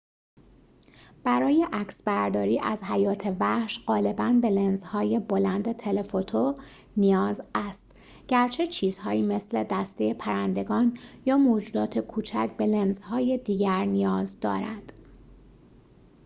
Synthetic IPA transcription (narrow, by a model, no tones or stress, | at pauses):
b̥æɾɒːje̞ʔæcsbæɾd̪ɒːɾiːʔæ̰zɦæjɒːt̪ʰe̞væhʃɢ̥ɒːle̞bænbe̞le̞nzhɒːje̞bolænd̪et̪ʰe̞lefot̪ʰo | nijɒːzæst̪ | ɟ̥æɾt͡ʃʰe̞t͡ʃʰiːzhɒːiːme̞sle̞d̪æst̪ejepʰæɾænd̪e̞ɡɒːnjɒːmoːd͡ʒuːd̪ɒːt̪ʰekʰuːt͡ʃʰæ̰cʰbe̞le̞nzhɒːje̞d̪iːɟæɾnijɒːzd̪ɒ̰ːɾænd̪̥